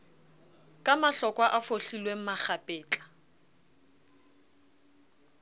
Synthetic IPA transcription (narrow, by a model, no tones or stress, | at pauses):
kʼamaɬɔkʼwaʔafoɬilweŋ̩maχapʼɛːt͡ɬʼḁ